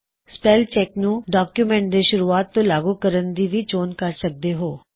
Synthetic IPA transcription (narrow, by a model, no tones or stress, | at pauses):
spɛːlt͡ʃɛːknũːɖaːkjuːmɛ̃ːɳʈ̚d̪eːʃʊɾuːaːt̪ːõːlaːɡuːkəɾənd̪iːʋiːd͡ʒoːnkəɾsək̚d̪eːɦoː